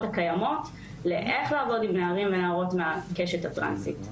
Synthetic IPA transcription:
thakajamo̞t | leʔe̞χlaːvo̞dimneaʁimvenaːʁo̞tmeakeʃethatʁa̰nsḭt

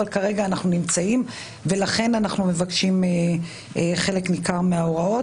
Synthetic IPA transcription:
alkaʁe̞ɡaːnaχnunimt͡saim | ve̞laχe̞nanaχnume̞vakʃime | eχe̞le̞knikaʁmeaoʁao̞

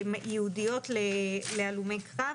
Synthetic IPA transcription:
mjɛudijo̞t̪lelealumejkʁa

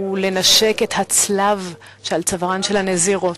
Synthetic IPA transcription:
ule̞naʃeke̞that͡slav | ʃealt͡savʁanʃelhaneziʁo̞t

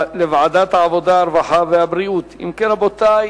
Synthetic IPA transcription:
levaʕad̪at̪haʕavod̪aːɾvaħaveabɾijut̪ḭmkenabot̪aj

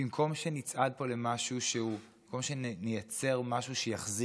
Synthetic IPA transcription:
imkʰo̞mʃenit͡sʔad̚po̞lemaʃuʃeu | ko̞mʃennejat͡se̞ʁmaʃuʃejaχzi

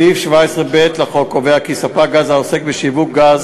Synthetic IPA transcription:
ifʃvaesʁebet̪laχokoveakisapaɡazaose̞kbeʃivuk̚ɡaz

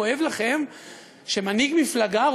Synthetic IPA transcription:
oe̞vlaχe̞m | ʃemaniɡmiflaɡa

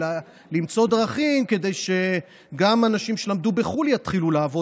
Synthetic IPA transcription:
limt͡so̞d̪ʁaχimke̞d̪e̞jʃe̞ | ɡamanaʃimʃe̞lamd̪ube̞χuljat̪χiluleavo̞

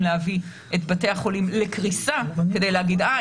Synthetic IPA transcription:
leavi | ʔetbateaχo̞limle̞kʁisake̞d̪e̞jleaɡida

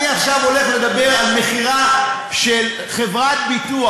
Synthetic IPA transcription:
iaχʃavo̞le̞χle̞d̪abe̞ʁalme̞χiʁa | ʃel | χe̞vʁat̪̚bit̪ua

